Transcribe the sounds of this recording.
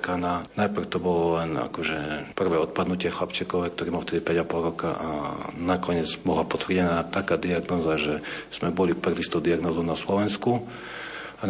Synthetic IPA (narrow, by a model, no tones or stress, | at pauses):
kananajpr̩ʊt̪ɔbɔlɔlɛna̰kɔʒɛpr̩ʋɛːɔt̪̚pad̪nucɪɛxlapt͡ʃɛkɔʋɛːk̚t̪ɔɾiːmalft̪ɛd̪ipɛɟapɔlɾɔka̰ʔa̰nakɔɲɪɛd͡zbɔlapɔt̪ʋrɟɛnaːt̪akaːd̪iaɡnɔːzaʒɛz̥mɛbɔlipr̩ʋist̪ɔd̪iaɡnɔːzɔʊnaslɔʋɛnsku | a